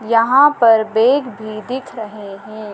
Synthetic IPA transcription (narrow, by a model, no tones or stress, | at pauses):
jɐɦãpɐɾbeːɡbʱid̪ɪkʰɾɐɦeɦɛ̃ː